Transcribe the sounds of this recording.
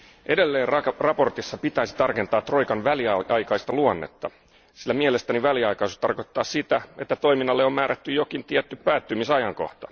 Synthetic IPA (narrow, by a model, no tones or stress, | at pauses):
ʔe̞delːe̞ːnrɑpo̞rt̪isːɑpit̪æisi̥t̪ɑrke̞nt̪ɑːt̪ro̞jkɑnʋæliɑɑjkɑist̪ɑluɑnːḛt̪ːɑ | silːæmielest̪æniʋæliɑjkɑisu̥st̪ɑrko̞t̪ːɑːssit̪æe̞t̪ːæt̪o̞iminːɑlːeo̞mmæːɾæt̪ːyjokint̪iɛt̪ːypæːt̪ːymisɑjɑŋko̰ht̪ɑ̥̰